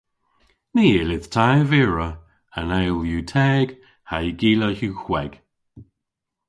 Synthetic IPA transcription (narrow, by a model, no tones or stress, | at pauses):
niːɪlɪð̥tʰajvɪɹə | ənajlˠjuːtʰɛːɡ̥ | haɡiːləhuːxwɛɡ̥